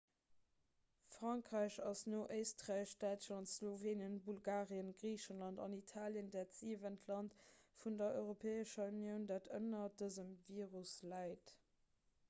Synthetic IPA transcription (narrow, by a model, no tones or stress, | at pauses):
fʁɑŋkʁæɪʃɑsnoːʔəɪstʁaɪʃd̥æɪtʃlɑntsloveːnjənbulɡaːʁiənɡʁiːʃənlɑntɑ̰nitʰaːljəndaːtz̥iːvəntʰlɑntfundɐœɪʁopʰeːəʃɐunjəʊndaːtʰənɐdəzəmviːʁuslæɪt